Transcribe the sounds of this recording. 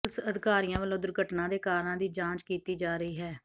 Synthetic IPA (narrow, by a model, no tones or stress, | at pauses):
lsəd̪ɪkaːɾijãːʋəlõːd̪ʊɾɡəʈnãːd̪eːkaːɾnãːd̪iːd͡ʒãːt͡ʃkiːt̪iːd͡ʒaːɾəiːɦɛː